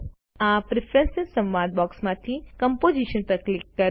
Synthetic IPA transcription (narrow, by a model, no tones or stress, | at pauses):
apɾɪpʰɾɛ̃nsɪsə̃mʋãd̪̚bɔksmãt̪ʰikəmpod͡ʒiʃənpəɾklɪkːə